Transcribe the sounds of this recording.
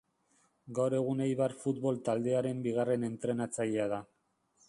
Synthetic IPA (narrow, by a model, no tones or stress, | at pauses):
ɡawɾe̞ɣ̞unejβarfut̪βo̞lt̪ald̪e̞aɾe̞mbiɣ̞are̞ne̞nt̪ɾe̞nat͡saʎeað̞a